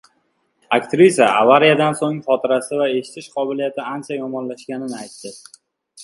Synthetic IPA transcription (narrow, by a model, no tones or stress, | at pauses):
akt̪ɾisaʔa̰vaɾijad̪ansoŋχɒt̪ʰɪɾasɪvae̞ʃɪ̥t̪ʰɪʃqʰɒbɪlijat̪ʰɪant͡ʃʰajɒmɒnlaʃkʲanɪnɪajt̪ːɪ